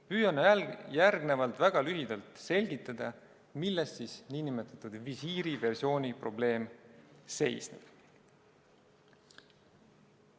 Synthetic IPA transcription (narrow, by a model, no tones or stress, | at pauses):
pyːjɑnjærɡne̞vɑlt̪ˑvæɡ̥ɑlyɦid̪ɑlt̪se̞lʲɡit̪ːˑɑd̪̥ɑ | milːest̪siːsniːnimet̪ːˑɑt̪ud̪̥visiːɾive̞rsio̞ːnʲipro̞ble̞ːmse̞jsnḛb̥